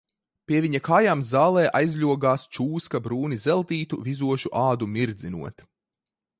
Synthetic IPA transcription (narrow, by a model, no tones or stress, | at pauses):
pʲiɛvʲiɲɐkaːjaːmzaːlˠɛːʔajzʎʲuɔɡaːst͡ʃuːskabɾuːnizɛlˠt̪iːt̪uvizuɔʃuʔaːd̪umiɾd̪zinṵɔt̪